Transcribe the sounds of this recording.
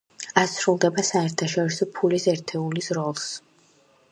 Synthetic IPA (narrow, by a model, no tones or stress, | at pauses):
asɾulˠd̪ɛbasaɛɾt̪ʰaʃɔɾisɔpʰulisɛɾt̪ʰɛulisɾɔlˠs